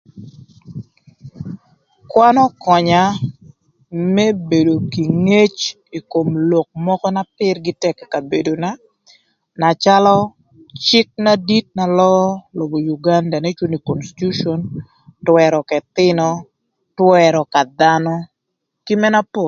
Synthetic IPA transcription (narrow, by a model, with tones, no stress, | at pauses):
kwa˦nɔ˦kɔ˨ɲa˨ | mɛ˦be˨do˨ki˨ŋe˦t͡ʃ | i˨ko˨mlo˨k̚mɔ˦kɔ˦na˦pɪ˦rɡɪ˦tɛ˦kɛ˨ka˨be˨do˨na˦ | na˨t͡ʃa˦lɔ˦ | t͡ʃɪ˦k̚na˦di˦t̚na˨lɔ˦lo˨bo˨ju˨ɡa˦nda˨ne˦t͡ʃu˦ni˨ko˨nsi̥˨tu˦ʃo˦n | twɛ˨ɾɔ˨kɛ˨t̪ɪ˦nɔ˦ | twɛ˦ɾɔ˨ka˨d̪a˦nɔ˦ | ki˦mɛ˦na˦po˦˨l